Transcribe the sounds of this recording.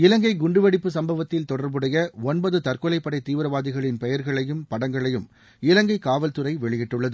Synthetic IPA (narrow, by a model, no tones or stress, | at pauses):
ɪlɐŋɡɐɪɡʊɳɖɯʋɐɽɪpːɯsɐmbɐʋɐt̪ːɪlt̪ɔɽɐɾbɯɽɐjɐɔnbɐðɯt̪ɐɾkɔlɐɪpːɐɽɐɪt̪ːiːʋɯɾɐʋaːðɪɣɐɭɪnpɛjɐɾɣɐɭɐjɯmpɐɽɐŋɡɐɭɐjɯm | ɪlɐŋɡɐɪkaːʋɐlt̪ɯɾɐɪʋɛɭɪjɪʈːɯɭːɐðɯ